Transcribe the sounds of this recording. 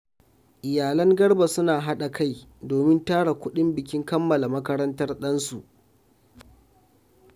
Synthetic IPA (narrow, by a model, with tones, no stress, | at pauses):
ʔɪ˨jaː˨lɐ˦ŋɡɐ˦rba˨sʊ˦naː˨ɦa˦ɗa˨kʰa˦˨jdoː˨mɪ˦ntaː˦ɽa˨kʷʊ˦ɗɪ˦mbɪ˨kʲɪ˦ŋkɐ˦mːɐ˨la˨mɐ˦kɐ˦ɾɐ˦ntɐ˦rɗɐ˦nsu˨ʔ